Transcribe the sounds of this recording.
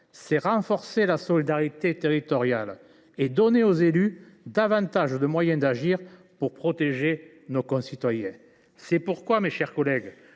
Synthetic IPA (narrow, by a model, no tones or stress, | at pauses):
sɛʁɑ̃fɔʁselasɔlid̪aʁit̪et̪eʁit̪ɔʁjal | ed̪ɔneozely | d̪avɑ̃t̪aʒəd̪əmwajɛ̃d̪aʒiʁ | puʁpχɔt̪eʒe | nokɔ̃sit̪wajɛ̃ | sɛpuʁkwameʃɛʁkɔlɛɡ